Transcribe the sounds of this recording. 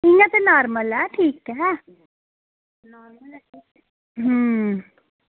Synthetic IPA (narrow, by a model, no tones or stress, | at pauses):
ɪŋãt̪enaːɾməlɛʈʰiːkɦɛ | naːɾməl | ɦəː